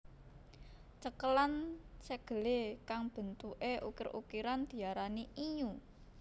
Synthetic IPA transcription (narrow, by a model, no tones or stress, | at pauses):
t͡ʃəkəlansəɡ̥ə̤lekaŋb̥ə̤nt̪uʔeʔukɪɾṵkiɾand̪̥i̤aɾaniiɲu